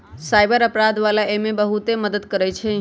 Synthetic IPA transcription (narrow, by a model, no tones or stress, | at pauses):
sajbəɾəpɾad̪ʋalaʔemebəɦut̪eməd̪əd̪kəɾɛt͡ʃʰɛ